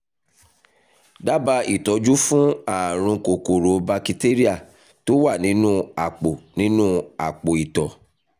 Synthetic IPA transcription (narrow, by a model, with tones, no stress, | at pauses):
da˦ba˧i˨tɔ˨˦d͡ʒu˦fũ˦a˦˨ɾ̃ũ˧ko˨ko˨ɾo˨˦ba˧ki˧te˦ɾi˦a˦˨ | to˦wa˦˨nĩ˨˦nũ˦a˨k͡po˨nĩ˦nũ˦a˨k͡po˨i˨tɔ˨